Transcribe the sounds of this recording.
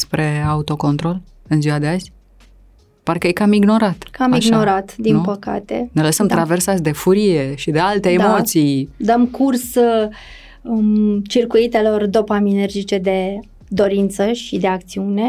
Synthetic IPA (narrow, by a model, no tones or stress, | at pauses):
spɾe̞aut̪o̞ko̞nt̪ɾo̞l | ɨnziad̪e̞azʲ | parkəjekamiɡno̞ɾat̪kamiʃɡno̞ɾat̪d̪inpəka̰t̪e̞̰neləsəmt̪ɾaversasʲd̪e̞fuɾije̞ʃid̪e̞alt̪eːmot̪sijd̪əmkurs | t͡ʃirkuit̪e̞lo̞rd̪o̞paminerd͡ʒit͡ʃe̞d̪e̞ | d̪o̞ɾint̪səʃid̪e̞ak̚t̪siune̞